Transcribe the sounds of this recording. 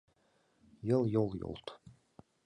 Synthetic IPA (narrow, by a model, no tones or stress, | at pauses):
jɤlˠjolˠjo̰lˠt̪